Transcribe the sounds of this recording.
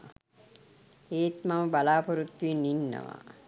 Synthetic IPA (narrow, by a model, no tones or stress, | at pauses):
eːt̪maməbalaːpoɾut̪ːuininːə̰ʋa̰